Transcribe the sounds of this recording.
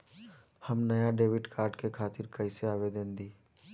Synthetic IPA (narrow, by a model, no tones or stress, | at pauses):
həmnɐjaɖeːʋɪʈkʰaːɾɖkekʰaːt̪ɪɾkɐɪseaːʋed̪ə̃nd̪iː